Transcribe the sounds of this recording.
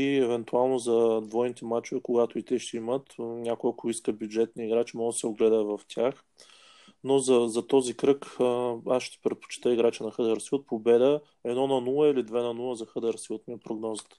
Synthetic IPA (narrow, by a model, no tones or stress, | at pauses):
iɛvɛnt̪ualˠnozɐd̪vɔjnit̪ɛmat͡ʃʊvɛkoɡat̪ʊit̪ɛʃt̪ɛimət̪nʲakʊəkiskəbjud͡ʒɛt̪niːɡɾat͡ʃimɔɡ̪sɛoɡlɛd̪əvɐft̪ʲjax | nozɐzɐt̪ɔzikɾɤkasʃt̪ɛ̥pɾɛt̪̚po̥t͡ʃi̥t̪əiɡɾat͡ʃənɐxɤd̪əɾsilˠət̪̚pobɛd̪ə | ɛd̪nɔnɐnulˠəilid̪vɛnɐnulˠəzɐxɤd̪əɾsiət̪miɛpɾoɡnɔzə̥t̪ə̥